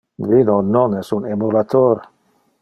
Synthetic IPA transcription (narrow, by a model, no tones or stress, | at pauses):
vinononɛsunemulat̪ʰoɾ